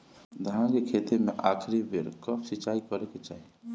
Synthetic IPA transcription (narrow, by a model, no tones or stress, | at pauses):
d̪ʱəɦãkekʰet̪emeʔakʰɾibeɾkəpsit͡ʃaikəɾeket͡ʃaːɦi